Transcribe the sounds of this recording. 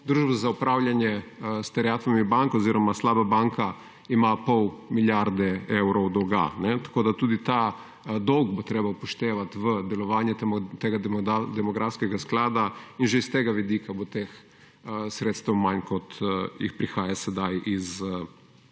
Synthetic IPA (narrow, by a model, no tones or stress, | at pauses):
d̪ɾuːʒbɔzaupɾawljanjɛst̪ɛɾɛaːt̪ʋamibaŋkɔziːɾɔmaslaːbabaŋka | imapɔwmiljaɾd̪ɛewɾɔwd̪ɔɡa̰nɛt̪ḁkoːd̪at̪uːd̪it̪a | d̪ɔwɡbot̪ɾeːbawpɔʃt̪eːʋat̪ʋəd̪ɛlɔʋaːnjɛt̪eːɡaad̪ɛmɔɡɾʔafskɛɡasklaːd̪ainʒɛist̪eːɡaʋid̪iːkabot̪eːx | sɾeːt̪st̪ɛwmankɔt̪jḭxpɾixaːjasɛd̪ajʔiz